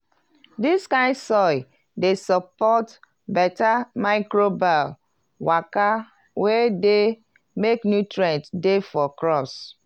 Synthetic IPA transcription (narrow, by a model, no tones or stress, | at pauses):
diskãɪ̃sɔɪ | desəpɔt | bɛtamaɪkɾobal | waka | wede | meknjutɹɛ̃ntdefɔkɾɔs